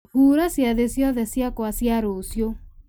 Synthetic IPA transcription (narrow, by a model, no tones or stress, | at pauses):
huɾasiaðesjaðesiakoasiaɾosjo